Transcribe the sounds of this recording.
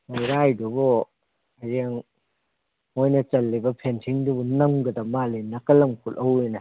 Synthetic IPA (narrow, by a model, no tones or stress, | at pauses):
majɾajdubɔ | ɐjeŋ | ojnɐt͡ʃɐlːibɐpʰensʰiŋdubunɐmɡɐd̪ɐmalenɐkɐlɐmkʰulʔɐwenɐ